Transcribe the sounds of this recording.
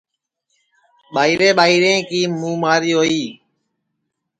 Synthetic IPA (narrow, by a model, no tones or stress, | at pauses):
ɓaːiːɾeːɓaːiːɾẽːkiːmũːmaːɾiːɦoːiː